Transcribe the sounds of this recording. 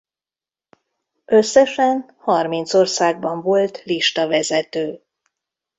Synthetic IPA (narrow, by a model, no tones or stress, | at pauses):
ʔø̞sːɛʃɛn | hɒrmint̪so̞rsaːɡ̚bɒɱvo̞lt̪liʃt̪ɒvɛzɛt̪øː